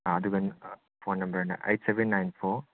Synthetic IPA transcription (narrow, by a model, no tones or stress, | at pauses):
aɐd̪uɡɐn | pʰonːɐmbɐɾɐnɐ̰ʔḛjʈseʋenːajnpʰo